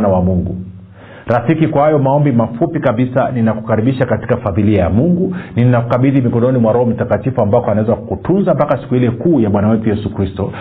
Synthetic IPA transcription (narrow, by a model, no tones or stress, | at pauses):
nawamuŋɡu | ɾafikikwahajɔmaɔmbimafupikaɓisaninaku̥kaɾiɓiʃakati̥kafaðiliajamuŋɡunininakukaɓiðimikɔnɔnimwaɾɔhɔm̩takatifuambakɔanaɛzawakkutunzampakasi̥kuhilɛkuːjaɓwanawɛtujɛsukɾistɔ